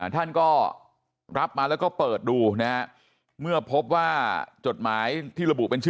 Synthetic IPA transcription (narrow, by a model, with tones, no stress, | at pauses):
a˧˩t̪ʰa˥˩nkɔː˥˩ | ɾa˦˥p̚maː˧lɛː˦˥wkɔː˥˩pɤː˨˩t̪̚duː˧na˦˥ha˦˥ | mɯ˥˩ɐpʰo˦˥p̚waː˥˩t͡ɕo˨˩t̪̚maː˩˦˥jt̪ʰiː˥˩ɾa˧bu˨˩pe˧nt͡ɕʰɯ˥